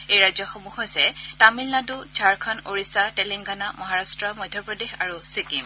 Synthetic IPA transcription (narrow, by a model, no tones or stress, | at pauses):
ejɹajzɔxomuhojsɛtamilnadud͡ʒʱaɹkʰɔnoɹisatɛliŋɡanamɔɦaɹastɹɔmɔjdʱjɔpɹɔdexaɹusikim